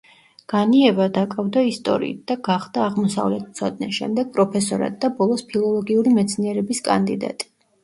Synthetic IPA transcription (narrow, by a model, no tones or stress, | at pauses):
ɡ̥aniɛbad̪akʼavd̪aist̪ʼɔ̰ɾḭḭt̪̚d̪aɡaχd̪aːʁmɔsa̰vlɛt̪̚ʰt̪sʰɔd̪nɛʃɛ̰md̪ɛɡ̥̚pʼɾɔpʰɛsɔɾa̰d̪̚ːabɔlˠɔspʰilˠɔlˠɔɡiuɾimɛt̪sʰniɛɾɛbiskʼa̰nd̪id̪a̰t̪ʼi̥